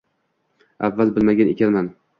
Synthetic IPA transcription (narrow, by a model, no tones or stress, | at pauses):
avːalbɪlmaɡʲanḛkʲanman